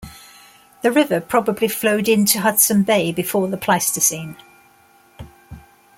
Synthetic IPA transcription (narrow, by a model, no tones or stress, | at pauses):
ðəɹɪvəpʰɹ̥ɒbəblifləʊdɪ̃ntʰuɦʌd̥sə̃nbeɪbɪfɔːðəpʰl̥aɪstəsĩːn